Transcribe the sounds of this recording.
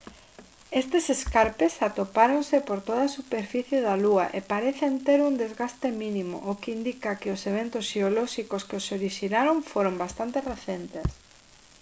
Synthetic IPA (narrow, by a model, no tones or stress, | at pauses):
est̪eseskaɾpesat̪opaɾonsɪpoɾt̪oð̞asupeɾfiθjeðaluaʔepaɾeθent̪eɾuŋd̪ezɣast̪emĩnĩmo̰ʔokeind̪ikakɪoseβ̞ent̪ʊsʃeolɔʃikoskeosoɾiʃinaɾoɱfoɾõmbast̪ant̪ereθent̪es